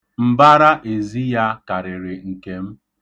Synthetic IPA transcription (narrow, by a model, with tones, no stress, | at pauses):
m̩˦ba˦ɾa˦ʔe˨zi˦ja˦ka˨ɾɪ˨ɾɪ˨ŋ̩˨ke˦m̩˦